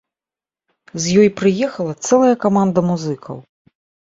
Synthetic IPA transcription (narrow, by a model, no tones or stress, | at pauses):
zʲjɔjpɾɨjɛxɐlˠɐt̪sɛlˠɐjɐkamand̪ɐmuzɨkʰɐ̰w